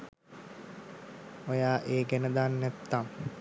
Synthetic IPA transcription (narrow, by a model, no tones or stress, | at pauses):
ojaːʔeːɡænəd̪aːnːæt̪ːaŋ